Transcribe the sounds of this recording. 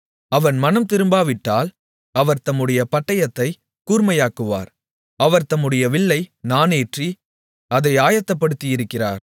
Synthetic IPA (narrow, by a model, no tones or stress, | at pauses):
ɐʋɐnmɐnɐmt̪ɪɾɯmbaːʋɪʈːaːl | ɐʋɐɾt̪ɐmːɯɽɐjɐpɐʈːɐjɐt̪ːɐɪ | kuːɾmɐjaːkɯʋa̰ːɾ | ɐʋɐɾt̪ɐmːɯɽɐjɐʋɪɭːɐɪnaːneːʈri | ɐðɐɪaːjɐt̪ːɐpːɐɽɯt̪ːɪjɪɾɯkːɪra̰ːɾ